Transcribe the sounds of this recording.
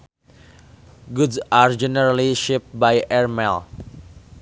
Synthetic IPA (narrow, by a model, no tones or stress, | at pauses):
ɡudsaɾd͡ʒɛnəɾaliʃɪp̚bajɛɹmɛl